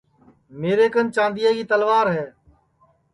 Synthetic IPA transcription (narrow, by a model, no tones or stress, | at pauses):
meːɾeːkənt͡ʃãːnd̪ɪjaːɡiːt̪əlʋaːɾɦɛː